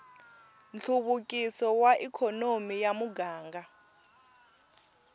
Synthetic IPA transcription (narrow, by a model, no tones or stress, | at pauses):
nɬʰuɓukʼisɔwaʔikʰɔnomijamuɡaːŋɡa